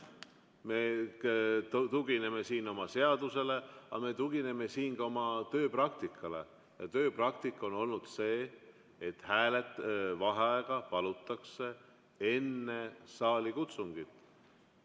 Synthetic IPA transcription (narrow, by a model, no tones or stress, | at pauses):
me | t̪uɡ̥ine̞me̞siːno̞mɑse̞ɑd̪use̞le̞ɑme̞t̪uɡine̞me̞siːnkɑo̞mɑt̪ø̞ːprɑk̚t̪ikʰːˑɑle̞̰ | jɑ̰t̪ø̞ːprɑk̚t̪ikːˑo̞no̞lnud̪̥se̞ː | t̪ːˑhæːlet̪ːˑvɑɦeɑeɡ̥ɑpɑlut̪ːˑɑkse̞ | e̞nːe̞sɑːlikut̪suŋɡ̥it̪ːˑ